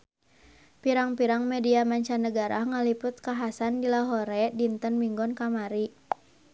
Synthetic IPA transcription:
piɾaŋpiɾaŋmɛdiamaɲt͡ʃanəɡaɾaŋalipʊt̪̚kaɦasandilaɦɔɾɛdint̪ənmiŋɡɔnkamaɾi

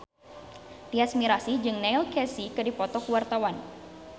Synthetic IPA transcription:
t̪iasmiɾasid͡ʒɨŋnɛilkɛsikɨdipɔt̪ɔkuwart̪awan

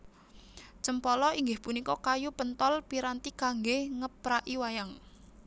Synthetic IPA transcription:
t͡ʃəmpɔlɔiŋɡɪhpunikɔkajupənt̪ɔlpiɾant̪ikaŋɡehŋəpɾaʔiwajaŋ

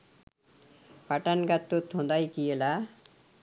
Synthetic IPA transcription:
paʈanɡat̪ːot̪ʰːõnd̪ajkijela

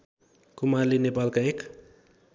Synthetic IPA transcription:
kumarlenepalkaek

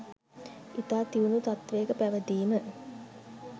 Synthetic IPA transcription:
it̪aːt̪iunut̪at̪ʋeːkəpæʋəd̪iːmə

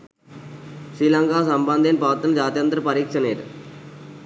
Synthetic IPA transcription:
ʃɾilɐŋkaːsɐmbɐnd̪ʱinpɐʋɐt̪ːɐnɐd͡ʒaːt̪jɐnt̪ɾɐpɐɾiːkʂɐneːɾ

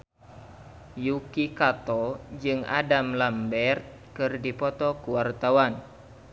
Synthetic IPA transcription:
jukikat̪ɔd͡ʒɨŋa̰damlambɛrt̪̚kɨrdipɔt̪ɔkuwart̪awan

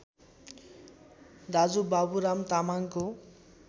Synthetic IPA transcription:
d̪ad͡zubabuɾamt̪amaŋko

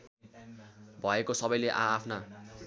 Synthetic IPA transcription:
bʱʌekosʌbʌjleʔaːpʰna

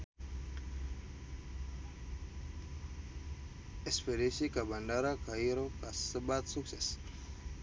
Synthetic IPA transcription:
espeɾesikabanɖaɾakaiɾokasɨbat̪sukses

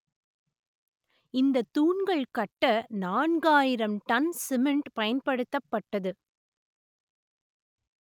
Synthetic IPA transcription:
ɪnd̪ɐt̪ːuːnɡɐɭkɐʈːɐnaːɳɡaːjɪɾɐmʈɐnsɪmɪɳʈpɐjɐnpɐɽɯt̪ːɐpːɐʈːɐðɯ

